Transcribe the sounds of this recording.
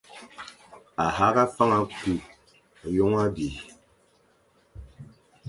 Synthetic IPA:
a˨ha˦ɣa˦fa˦ŋa˦ku˦˨ | jɔ˦ŋa˦bi˨

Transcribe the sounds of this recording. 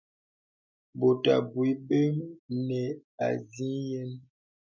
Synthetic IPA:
bo˨ta̰˨bwi˦be˦mnɛ˨a̰˨zi˦jɛ˦m

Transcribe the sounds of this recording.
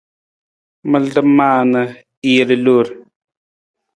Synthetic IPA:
mə˦˨ldə˦ma˦˨nə˨ | i˦˨ɾə˨lu˦˨ɾ

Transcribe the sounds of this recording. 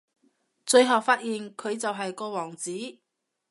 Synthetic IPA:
t͡ʃɵ˧ɥɦɐ˨wfaː˧t̚jiː˨nkʰɵ˨˧ɥt͡sɐ˨wɦɐ˨jkɔː˧wɔː˨˩ŋt͡siː˨˥

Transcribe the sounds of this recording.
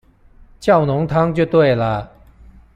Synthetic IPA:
t͡ɕjɑ˥˨ʊnʊ˨˧˥ŋt̪ʰɑ˥ŋt͡ɕjo˥˧˩t̪we˥˩ɪlə˨˦

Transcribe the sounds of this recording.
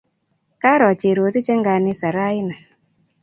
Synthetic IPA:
ka˦ɾɔ˨t͡ʃe˨ɾo˨˦ti˦t͡ʃɛ˦ŋɡa˨nɪ˦sa˨ɾa˦ɪ˦na˨

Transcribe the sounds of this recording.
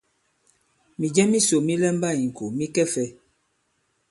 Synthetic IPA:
mi˨d͡ʒɛ˦mi˦so˨mi˦lɛ˦mba˦˨i˨ŋ̩˨ko˨mi˦kɛ˦fɛ˦

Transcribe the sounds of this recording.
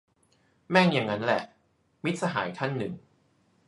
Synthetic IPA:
mɛː˥˩ŋja˨˩ŋːa˦˥nlɛ˨˩ʔ | mi˦˥t̪̚sa˧ɦa̰ː˩˦jt̪ʰa˥˩nːɯ˨˩ŋ

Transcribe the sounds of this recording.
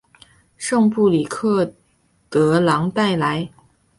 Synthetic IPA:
ʂɤ˥˧ŋpu˥˩li˨˩kʰɤ˥˩ | t̪ɤ˧˥lɑ˧˥ŋt̪a˥˩ɪla˧˥ɪ

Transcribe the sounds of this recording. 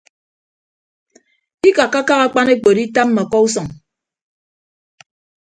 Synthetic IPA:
i˦ka˨kːa˦ka˦ɣa˦k͡pa˦ne˦k͡po˨di˦ta˦m̩˦ma˨kɔ˦u˦sɔ˨ŋ

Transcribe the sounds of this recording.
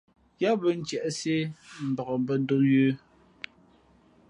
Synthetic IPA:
ja˦bə˦n̩˦t͡ʃɛ˨ʔse˦m̩˨bɔ˨ɣɔ˨bə˦do˦jʉː˦

